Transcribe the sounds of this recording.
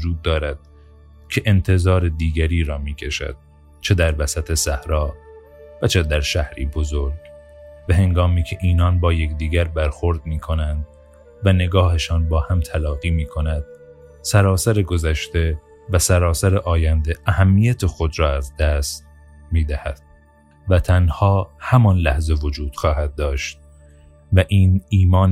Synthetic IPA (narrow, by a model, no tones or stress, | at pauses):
d͡ʒuːd̪ːɒːɾæd̪̥̚ | cʰe̞ʔent̪ʰe̞zɒːɾed̪iːɡæɾiːɾɒːmiːcʰeʃæ̰d̪̥̚ | t͡ʃʰe̞d̪æɾvæsæt̪ʰe̞sæhɾɒː | væt͡ʃʰe̞d̪æɾʃæhɾḭːbo̞zoɾɡ | væhe̞ŋɡɒːmiːkʰe̞ʔiːnɒːnbɒːje̞kd̪iːɡæɾbæɾxoɾd̪̚miːkʰo̞nænd̪ | væne̞ɡɒːhe̞ʃɒːnbɒːhæmt̪ʰælɒːɣiːmiːkʰo̞næd̪̥ | sæɾɒːsæɾeɡo̞zæʃt̪e̞ | væsæɾɒːsæɾeʔɒːjænd̪e̞æhæmːiːjæt̪ʰe̞xo̞d̪ɾɒːæzd̪æst̪ | miːd̪æhæ̰d̪̥̚ | væt̪ʰænhɒːhæmɒːnlæhze̞vo̞d͡ʒuːd̪̥xɒːhæd̪̚ːɒːʃt̪̚ | væʔiːniːmɒːn